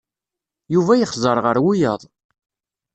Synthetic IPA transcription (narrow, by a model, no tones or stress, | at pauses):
juvæjəχzˤəɾˤʁəɾwujəðˤ